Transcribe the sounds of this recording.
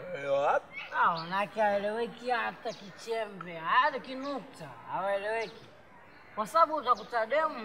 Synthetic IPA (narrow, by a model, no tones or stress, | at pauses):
ɛlɛwaap̚iawanakɛaɛlɛwɛkihatakit͡ʃɛmbɛaaɗakinuk̚taːwaɛlɛwɛki | kwasaaɓuːtakutaɗɛmu